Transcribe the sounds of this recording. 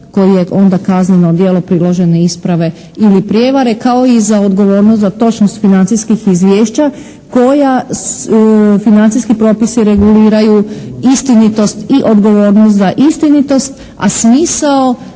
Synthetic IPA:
ko̞jije̞ʔo̞nd̪akaznenod̪je̞ːlopɾilˠo̞ʒe̞neispɾaʋe̞ | ilipɾʲje̞ːʋaɾe̞kao̞izaod̪ɡo̞ʋo̞ːɾnost̪zat̪o̞t͡ʃnost̪finant̪siskixizʋjeːʃt͡ɕa | ko̞ja | finant̪iskipɾo̞ːpisiɾe̞ɡuliːɾajuist̪init̪o̞st̪iʔo̞d̪ɡo̞ʋo̞ːɾnost̪zaʔist̪init̪o̞st̪ | a̰smiːsao

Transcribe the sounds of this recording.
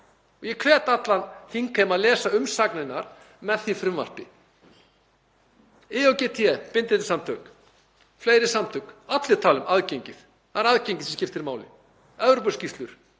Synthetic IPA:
ɔɣjɛkʰvɛːt̪at̪lanθiŋkʰamaðlɛːsaʏmsaknɪnːaɾ̥ | mɛðθifɾʏmva̰l̥pɪ | ɪɔwcɛt̪ʰiɛpɪnt̪ɪt̪samt̪ʰœk | fleːjɾɪsamt̪ʰœkat̪lɪ̥t̪ʰaːlʏmaðcejɲcɪθ | θaɾaðcejɲcɪ̥sɛmscɪft̪ɪɾmaːwlɪ̰ | œvɾɔp̬ʏscift̪lʏɾ̥

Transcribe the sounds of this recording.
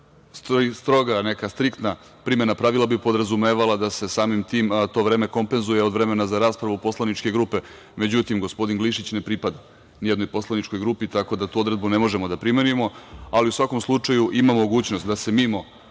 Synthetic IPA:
st̪st̪ɾo̞ɡane̞kast̪ɾikt̪na | pɾimenapɾaʋilˠabipo̞d̪ɾazumeʋalad̪ase̞saːmimt̪iːmt̪o̞ʋɾe̞ːme̞ko̞mpe̞nzuje̞ovɾe̞me̞nazaɾaːspɾaʋupo̞slˠanit͡ʃke̞ɡɾuːpe | me̞d͡ʑut̪imɡo̞spo̞d̪inɡliʃit͡ɕne̞pɾipad̪a | nijed̪nojpo̞slˠanit͡ʃko̞jɡɾuːpit̪ako̞d̪at̪uːo̞d̪ɾe̞d̪bune̞mo̞ʒemo̞d̪apɾime̞nijemo̞aliusʋako̞mslˠut͡ʂajuʔimamooɡuːt͡ɕnost̪̚d̪ase̞mimo

